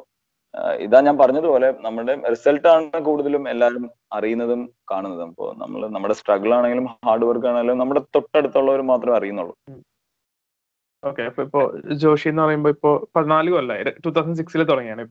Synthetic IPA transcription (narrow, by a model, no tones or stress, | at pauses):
ḭðaːɲaːnpɐrɐɲːɐðɨpo̞ːle̞nɐmːuɽe̞risɐlʈːaːɳɨkuːɽuðɐlume̞lːaːɾum | ɐrijunːɐðumkaːɳunːɐðumɐpːo̰nɐ̰mːɐ̰ɭnɐmːuɽe̞sʈrɐɡɐɭaːɳe̞ŋɡilumaːrɖɨʋɐrkːaːɳeɡiːumnɐmːuɽe̞t̪oʈːeɽut̪ːuɭːɐoɾumaːt̪rɐmɐrijunːuɭːṵ | oːkːeɐpːoːipːo̞ːd͡ʑo̞ːʂienːɨpɐrɐjumbo̞ːipːo̞ːpɐðinaːlɣɐmɐlːɐiɾʈːuːt̪ʰːɐwsɐnɖs̬iksilet̪uɽɐŋːijaːɳi